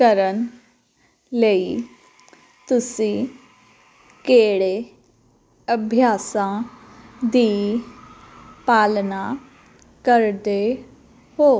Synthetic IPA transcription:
kəɾən | lei | t̪ʊsĩ | keːɽe | əbʱjaːsã | d̪ii | paːlna | kəɾd̪e | ɦoː

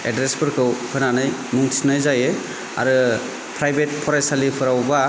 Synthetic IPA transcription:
edɾespʰɯɾkʰɯwpʰɯnanɯjmuŋtʰisnajzajɯ | a̰ɾɯ | pʰɾajbet̚pʰɔɾajsalipʰɯɾawba

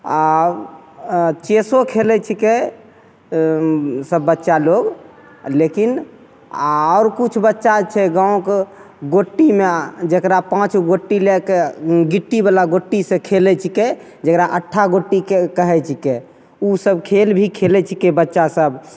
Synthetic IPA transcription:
a | t͡ʃesokʰelɛt͡ʃʰike | səbːətːʃaloɡ | lekin | ɔʊɾkut͡ʃʰbətːʃat͡ʃʰɛɡãõke | ɡoʈːimed͡ʒəkɾapãt͡ʃɡoʈːilekeɡiʈːibalaɡoʈːisẽkʰelɛt͡ʃʰike | d͡ʒəkɾaʔəʈʰːaɡoʈːikekəɦɛt͡ʃʰike | usəbkʰelbʱikʰelɛt͡ʃʰikebətːʃasəb

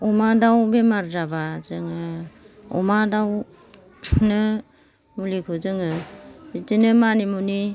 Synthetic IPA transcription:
umadawbemaɾzabazɯŋɯ | ɔ̰madaw | nɯ | mulikʰɯzɯŋɯbitinɯmanimuni

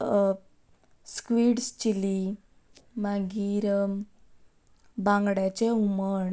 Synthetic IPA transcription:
skʋiːɽst͡ɕili | maɡiːɾ | bãŋɡɽjat͡ɕeuməɳ

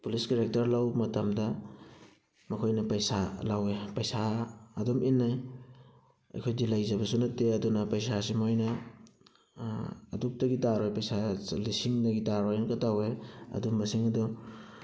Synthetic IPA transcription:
puliskiɾek̚tɐɾlawmɐtɐmdɐ | mɐkʰojnɐpɐjsalawepɐjsaɐduminːaj | ɐ̰jkʰojdilajzɐbɐsunɐtːeɐdunɐpɐjsasimojnɐ | duk̚tɐɡitaɾojpɐjsalisiŋdɐɡitaɾojnkɐtaweɐ̰dumːɐsiŋɐdu

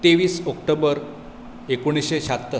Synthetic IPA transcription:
t̪eʋiːsɔkʈobəɾ | ekuɽ̃iɕeɕat̪ːə

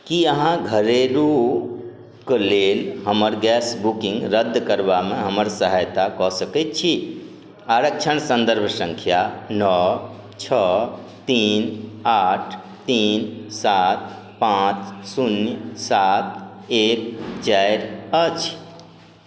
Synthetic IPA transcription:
kiəɦãɡʱəɾeɾu | klelɦəməɾɡɛsbukĩŋɡɾəd̪ʱːkəɾbameɦəməɾsəɦajt̪akɔsəkɛt̪̚t͡ʃʰi | aɾək̚t͡ʃʰənsə̃nd̪əɾbʱsə̃ŋkʰjanɔ | t͡ʃʰɔt̪inaʈʰ | t̪insat̪̚ | pãt͡ʃsunjsat̪̚ek̚t͡ʃajɾət͡ʃʰ

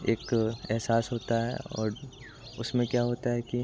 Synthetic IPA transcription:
eːkɛɦsaːsɦoːt̪aɦɛ̰ɔ̰ːɾ | ʊsmẽkjaːɦoːt̪aɦɛki

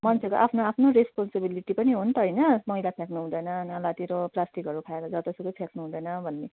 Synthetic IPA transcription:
mʌnt͡sʰeko̰ʔapʰnoapʰnoɾespɔnsebiliʈipʌniɦunt̪ʌɦʌjnʌmʌilapʰjaknuɦũd̪ʌjnʌnalat̪iɾoplasʈikɦʌɾukʰaeɾʌd͡zʌt̪ʌsʌkʌpʰjaknuɦũd̪ʌjnʌbʱʌnːe

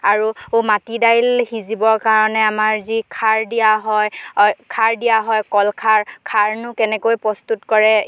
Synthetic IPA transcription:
aɹuomatidajlhizibɔɹkaɹɔnɛamaɹzikʰaɹdijaɦɔjkʰaɹdijaɦɔjkɔlkʰaɹkʰaɹnʊkɛnɛkojpɹɔst̪utkɔɹɛ

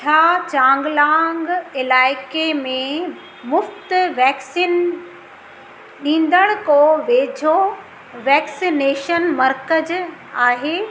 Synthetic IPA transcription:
t͡ɕʰaːt͡ɕãːŋɡlãːŋɡɪlaːɪkemẽ | mʊft̪ʋɛːksiːn | ɗĩːn̆d̪əɽ̃koʋeːd͡ʑʱo | ʋɛːksineːʃənmɐɾkəd͡ʑ | aːɦeː

